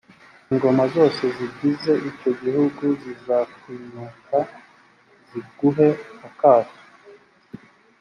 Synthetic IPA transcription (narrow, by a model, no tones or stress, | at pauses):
iŋɡo̞mazo̞ːse̞ziɟize̞ʔico̞ɟihuɡuzizakwiːɲuːka | z̥iɡ̥uɦe̞akaːto̥